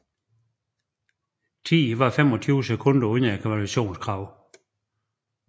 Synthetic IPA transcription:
t͡sʰḭːʋɑ̈femɒ̽t͡sʰyːʊəsekʰɔ̽n̰d̥ɐonɐekʰæʋælyæɕo̝̰ːnskʰʁɑ̈ʊ̰

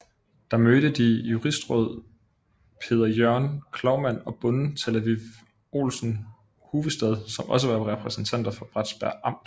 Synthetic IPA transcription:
d̥ɑ̈møɾ̥əd̥ijuʁisd̥ʁɔ̽ð̞̰ˠ | pʰe̝̰ːð̞ˠɐjøɐnkʰlɒʊmæn̰ɒ̽b̥ɔ̽nn̩t͡sʰelæʋiʋ | o̝̰ːlsn̩ | huːʋ̩ˠsd̥ɛð̞ˠsɒ̽mʔɒ̽s̬əʋɑ̈ʁɛpʰʁɛsn̩t͡sʰæn̰d̥ɐfɒb̥ʁad̥sb̥æɐ̰ɑ̈m̰d̥

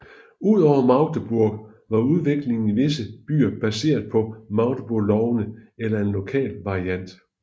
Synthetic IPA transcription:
uð̞̰ˠɒʊ̰ɐmɑ̈ʊd̥əb̥uɐɡ̥ | ʋɑ̈uð̞ˠʋe̝ɡ̥le̝ŋn̩iʋe̝səb̥y̰ːɐb̥æse̝̰ːɐðˠpʰɒ̽mɑ̈ʊd̥əb̥uɐlɒʊnəelɐe̝nlo̝kʰɛ̰ːlʋɑ̈ʁiæn̰d̥

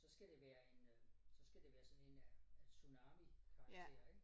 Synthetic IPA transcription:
sɒ̽sɡ̥æd̥e̝ʋæːɐe̝nsɒ̽sɡ̥æd̥e̝ʋæːɐsɒ̽ne̝nææsunɑ̈ːmikʰɑ̈ɡ̥ʰe̝̰ːɐ̰eɡ̥

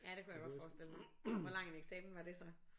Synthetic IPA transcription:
jæd̥e̝kʰujaɡ̥ɒ̥̽fɒːsd̥e̝l̰əm | ʋɒlɑ̈ŋ̰eneɡ̥sɛ̰ːmn̩ʋɑ̈d̥e̝sɒ̽

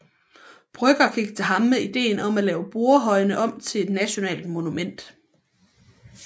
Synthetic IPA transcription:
b̥ʁœɡ̥ɐɡ̥ʰiɡ̥̚t͡sʰeɦɑ̈mmeid̥e̝̰ːnɒ̽mælɛːʊb̥o̝ɐɦɒ̽ɪnəʔɒ̽m̰t͡sʰe̝le̝d̥næɕo̝nɛ̰ːld̥mo̝numen̰d̥

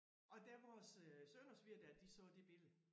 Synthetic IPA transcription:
ɒ̽d̥æɐʋɒssønɐsʋiɐ̰d̥æɐd̥isɔd̥e̝b̥e̝lð̩ˠ

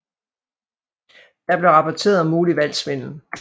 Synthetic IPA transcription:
d̥ɑ̈b̥le̝ʁɑ̈pʰɒt͡sʰe̝̰ːɐðˠɒmːuːliʋæl̰sʋe̝n̰n̩

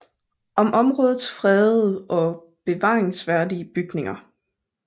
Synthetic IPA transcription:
ʔɒ̽mʔɒ̽mʁɔ̽ːð̩ˠsfʁɛðˠʔɒ̽ | b̥e̝ʋɑ̰̈ːʁeŋsʋæɐdiəb̥yɡ̥ne̝ŋɐ

